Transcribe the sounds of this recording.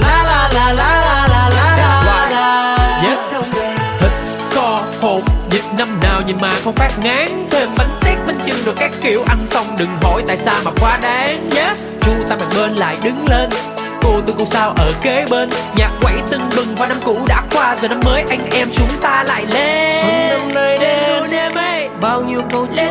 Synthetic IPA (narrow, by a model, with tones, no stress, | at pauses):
aː˧a˨˧a˧˩a˨˧˩zaː˧˨˦a˧ɲə˦˥t̚wŋ͡mt̪ʰɨ˨˩t̟̚ | xɔ˨˧ | ho̰˧˩mzḭ˨˩t̚na˧mnaː˨˩wɲɨ˨˩maː˨˩xə˧wŋ͡mfɛ˦˥p̚ŋa˨˦ŋt̪ʰe˧mvə˨˦n̟t̪i˦˥ət̚və˧˦nt͡ɕɨ˧ŋɗɨ˨˩kaː˦˥kkːi˧˩əwʔa˧nsa˧wŋ͡mɗɨ˨˩ŋɦɔ̰˧˩jt̪a̰ː˧˨jsaː˧maː˨˩kwaː˨˦ɗaː˨˦ŋɲə˨˦˥ | t͡ɕʊ˨˦t̪aː˧maː˨˩ŋɓe˧nla̰ː˧˨jɗɨ˨˦ŋle˧n | k̪o˧t̪o˧ko˧˩saː˧wʔəː˧˩ke˨˦ɓe˧nɲaː˨˩k̚kwa̰˧˥jt̪ɨ˧ŋɓɨ˨˩ŋvaː˨˩na˧mkṵ˧˥ɗa̰ː˧˥kwaː˧zəː˨˩na˧mːəː˨˦jʔa˧jŋ̟ʔɛ˧mt͡ɕʊ˨˦ŋ͡mt̪aː˧la̰ː˧˨jle˧si˦na˧mna˧jɗe˧ə˧ne˧mə˧ | ɓaː˧wɲi˧əwko˧˦